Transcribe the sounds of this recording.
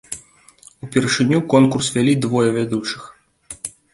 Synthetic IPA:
upʲɛrʂɨnʲukɔnkursvʲalʲid̪vɔjɐvʲad̪ut͡ʂɨ̥x

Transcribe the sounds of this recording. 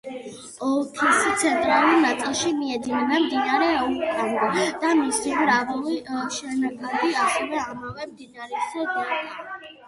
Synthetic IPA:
ɔkʰist̪sʰɛnt̪ʼɾalˠuɾnat̪sʼilˠʃimiɛd̪inɛmɛmd̪inaɾɛuk̪ʼand̪ɔd̪̥amisiɾavɔliʃɛnaɡund̪iasɛvɛamavɛmd̪inaɾɛsɛɡad̪a

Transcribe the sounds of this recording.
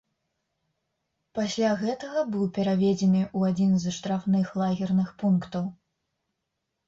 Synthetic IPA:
pasʲlʲaɣɛt̪ɐɣɐbɨwpʲɛɾavʲed͡zʲɛnɨʔuad͡zʲinzʂt̪ɾafnɨxlˠaɣʲirnɨxpunkt̪ɐw

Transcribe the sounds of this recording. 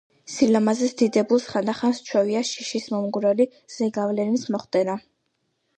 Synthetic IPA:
silamazɛsd̪̥id̪ɛbulˠsχand̪aχanst͡ʃʰwɛviaʃiʃismɔmɡɾɛli | z̥ɛɡavlɛɾinsmɔχt̪ʼɛna

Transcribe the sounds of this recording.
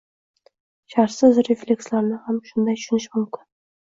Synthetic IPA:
ʃaɾsɪzɾeflʲe̞kslaɾnɪhamʃʊnd̪ajt̪ʊ̥ʃʊnɪʃmʊmkʲɪn

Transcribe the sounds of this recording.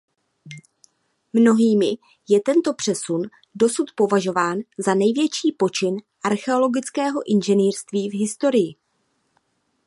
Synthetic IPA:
mno̞ɦiːmɪ | jɛt̪ɛnt̪o̞pr̝̥ɛsun | do̞sut̪po̞vaʒo̞vaːnzanɛjvjɛt͡ʃiːpo̞t͡ʃɪnʔaɾxɛo̞lo̞ɡɪt͡skɛːɦo̞ʔɪnʒɛniːrst̪viːvɦɪst̪o̞ɾɪjɪ

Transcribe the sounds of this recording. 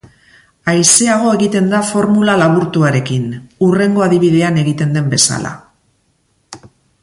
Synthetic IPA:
ajseaɣ̞o̞e̞ɣit̪e̞nd̪afo̞ɾmulalaβuɾt̪uaɾe̞kinure̞ŋɡo̞aðiβ̞iðe̞ane̞ɣit̪e̞nd̪e̞mbe̞sa̰la̰

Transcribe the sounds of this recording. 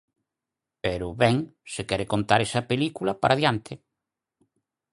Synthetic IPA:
peɾʊβɛŋsekɛɾekont̪aɾɛsɐpelikulɐpaɾaðjant̪ʰɪ

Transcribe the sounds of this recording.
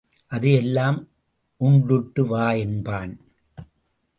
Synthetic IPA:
ʔɐðɯɛlːaːm | ʔʊɳɖʊʈːɯʋaːjɛnbaːn

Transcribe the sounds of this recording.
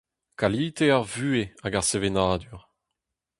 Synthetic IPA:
kaliːt̪eaʁvyːeaɡaʁsevenaːd̪yʁ

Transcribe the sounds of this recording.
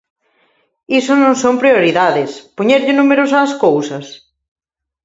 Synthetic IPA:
isʊnõŋsõmpɾioɾiðaðɪspoɲeɾʎɪnumeɾʊsaːskowsɐs

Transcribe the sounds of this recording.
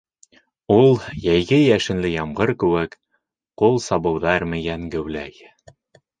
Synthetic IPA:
ulˠjæjɡɘjæʃɘ̆nlɘjɑmʁɤɾkɘ̆wɘk | qulˠsɑbɤ̆wðɑɾmɘ̆jæŋɡɘ̆wlæj

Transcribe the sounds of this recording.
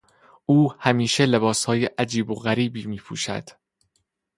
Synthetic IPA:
ʔuːhæmiːʃe̞le̞bɒːshɒːjeʔæd͡ʒiːboɣæɾiːbiːmiːpʰṵːʃæ̰d̪̥

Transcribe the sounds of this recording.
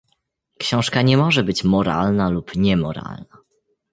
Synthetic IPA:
kɕɔ̃w̃ʂkaɲɛmɔʐɛbɘt͡ɕmɔɾa̰lnalupɲɛmɔɾa̰lna

